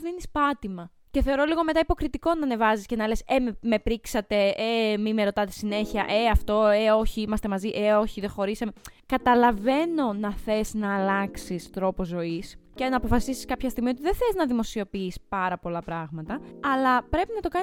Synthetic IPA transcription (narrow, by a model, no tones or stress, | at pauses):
ðinispɐt̪imɐ | ceθe̞o̞ɾo̞liɣo̞me̞t̪ɐipo̞kɾit̪iko̞nɐːne̞vɐziscenɐle̞sememe̞pɾiksɐt̪e̞emime̞ɾo̞t̪ɐt̪esine̞çiɐ̰ʔe̞ɐft̪o̞eo̞çiimɐst̪e̞mɐziʔeo̞çiðexo̞ɾisɐmekɐt̪ɐlɐve̞no̞nɐθe̞snɐːlɐksist̪ɾo̞po̞zo̞iscenɐːpo̞fɐsisiskɐpçɐst̪iɣmiot̪iðeθeznɐðimo̞sio̞piispɐɾɐpo̞lɐpɾɐɣmɐt̪ɐɐlɐpɾe̞pinɐt̪o̞kɐ